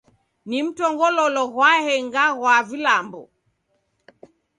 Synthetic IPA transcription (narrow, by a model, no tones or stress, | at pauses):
nim̩tɔŋɡɔlɔlɔɣwahɛŋɡaɣwavilambɔ